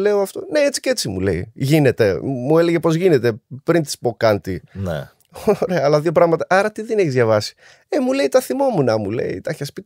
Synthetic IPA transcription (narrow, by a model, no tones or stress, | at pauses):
le̞o̞ɐft̪o̞ne̞et͡si̥cee̞t͡simṵle̞̰ḭʝine̞t̪e̞̰mue̞le̞ʝe̞po̞zʝine̞t̪e̞pɾint̪i̥spo̞kɐnt̪inḛ | oɾe̞ɐːlɐðjo̞p̬ɾɐɣmɐt̪ɐʔɐɾɐt̪iðeneçizʝɐvɐsi̥ | emuleit̪ɐθimo̞munɐmṵle̞̰ḭt̪ɐçɐspi